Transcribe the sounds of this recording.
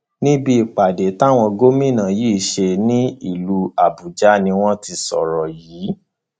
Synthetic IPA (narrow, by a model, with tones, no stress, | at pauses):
nĩ˦bi˧˨k͡pa˨de˨˦ta˦˨w̃ɔ̃˧ɡo˦mĩ˦˨nã˨˦jiː˦˨ʃe˧nĩ˦ḭ˦˨lu˧˦a˨bu˨d͡ʒa˦nĩ˧w̃ɔ̃˦ti˧sɔ̰˨ɾɔ˨jiː˨˦